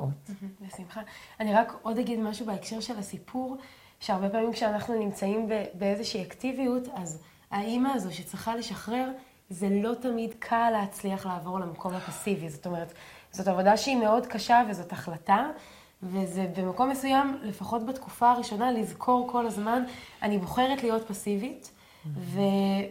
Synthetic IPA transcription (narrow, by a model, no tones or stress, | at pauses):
otbesimχaaniʁako̞daɡidmaʃubeekʃe̞ʁʃe̞lasipʰuʁ | ʃeaʁbe̞paːmimkʃeanaχnunimt͡saimbebeezeʃiiaktivijutaz | aimaːzo̞ʃet͡sʁiχale̞ʃaχʁe̞ʁ | ze̞lo̞tamidkʰalːeːt͡sliaχlaːvo̞ʁlamakʰo̞mhapasivizo̞to̞me̞ʁ̞etzo̞tavo̞daʃeime̞o̞dkaʃavezo̞taχlata | vezebe̞mako̞mːesujamle̞faχo̞tbatkufaːʁiʃo̞nalizkʰo̞ʁkʰo̞lazmananibo̞χe̞ʁetlijo̞t̚pasivit | ve